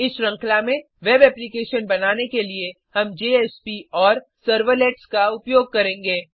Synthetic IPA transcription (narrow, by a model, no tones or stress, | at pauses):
ɪsɾɐ̃ŋklamẽ | ʋeːbɛːplikeːʃənbɐnaːnekelie | hɐmd͡ʒeːɛːspiɔːɾ | sɐɾʋəlɛːʈskaʊpjoːɡ̚kɐɾẽːŋɡeː